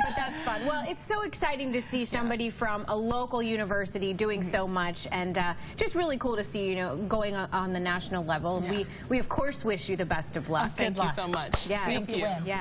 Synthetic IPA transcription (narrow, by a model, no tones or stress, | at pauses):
b̥ʌt̪̚ðætsfʌ̃nwɛlˠɪtsoʊɨksaɪɾɪ̃ŋtɨsisʌ̃mbɑɾifɹʌ̃məloʊkl̩ˠjʉñɨvɜ˞sɨɾidʉɪ̃ŋsoʊmʌt͡ʃɨ̃nʌd̥ʒ̥ʌst̚ɹɪlˠikʰulˠtɨsijɨnoʊɡoʊɪ̃ŋʔə̃nðɨnæʃn̩l̩ˠlɛvl̩ˠwi | wiʌv̥kʰɔɹswɪʃɨðɨbɛstʌvlʌksoʊmʌt͡ʃjææ̃jæ